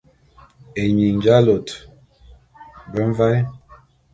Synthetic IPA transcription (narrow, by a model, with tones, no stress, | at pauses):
e˨ɲi˨ɲ˨d͡ʒa˦lo˨t | bə˦ɱ˦va˦j